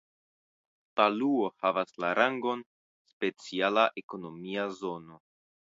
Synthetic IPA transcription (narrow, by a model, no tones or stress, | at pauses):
taluohavaslaɾaŋɡo̞n | spe̞t͡sialaʔeko̞no̞miazo̞no̞